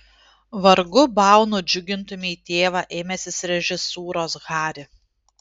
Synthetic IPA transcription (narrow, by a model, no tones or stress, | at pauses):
ʋɐɾɡʊbɑˑʊnʊːd͡ʒʲʊɡʲɪnt̪ʊmʲɪiːt̪ʲeːʋɑːʔeːmʲɛsʲɪsɾʲɛʒʲɪsuːɾoːsɣɑːɾʲɪ